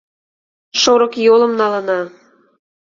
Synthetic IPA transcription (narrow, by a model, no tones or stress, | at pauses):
ʃoɾə̆kjolə̆mnɑlə̆nɑ